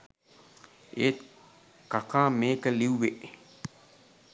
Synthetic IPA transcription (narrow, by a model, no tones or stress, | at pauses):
et̪ | kakaːmeːkəliwʋeʔ